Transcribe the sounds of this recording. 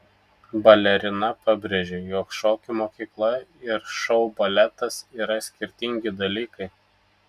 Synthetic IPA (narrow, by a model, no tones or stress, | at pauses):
bɐlʲɛɾʲɪnɐpɑbʲɾʲeʒʲejoːkʃoːkʲɪmoːkʲiːklˠɐɪɾʃɒʊbɐlʲɛt̪ɐsiːɾɐsʲkʲɪɾʲt̪ʲɪŋʲɡʲɪd̪ɐlʲiːkɐɪ